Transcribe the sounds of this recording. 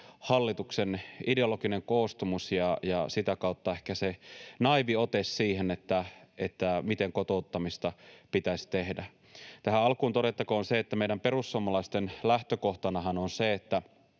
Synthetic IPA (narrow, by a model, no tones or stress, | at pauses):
hɑlːit̪uksenideolokineŋkoːst̪umusjɑjɑsit̪ækɑˑut̪ːɑehkæsenɑiʋiot̪essiːhenet̪ːæet̪ːæmit̪eŋkot̪out̪ːɑmist̪ɑpit̪æsʲt̪ehdæ | t̪æhæɑlkuːnt̪oɾet̪ːɑkoːnseet̪ːæmeijɾæmperusːuomɑlɑist̪enlæht̪økoht̪ɑnɑhɑnonseet̪ːæ